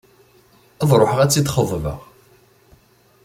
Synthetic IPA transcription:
æðˤɾˤoħəʁæt͡sːit̪χəðˤvə̰ʁ

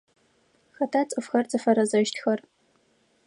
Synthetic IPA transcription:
xɐtʰat͡sʼɨfxɐrt͡sʼɨfɐɾɐzɐʃtʰxɐr

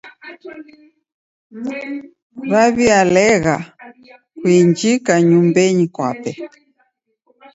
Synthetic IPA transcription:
βaβialɛɣa | kwiɲd͡ʒikaɲumbɛɲikwa̰pɛ

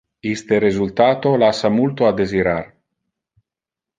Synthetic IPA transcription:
ist̪eɾezult̪aːt̪olasamult̪oad̪eziɾar

